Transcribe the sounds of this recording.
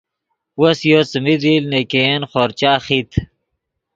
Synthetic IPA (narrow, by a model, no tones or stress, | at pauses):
wɐsjot͡səmid̪iːlnekenχoɾt͡ɕaːχit̪ʰ